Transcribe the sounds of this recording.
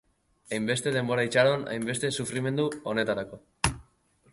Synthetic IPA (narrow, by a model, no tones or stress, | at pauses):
ajmbe̞st̪e̞ð̞e̞mbo̞ɾait͡ʃaɾo̞na̰jmbe̞st̪e̞sufɾime̞nd̪uo̞ne̞t̪aɾako̞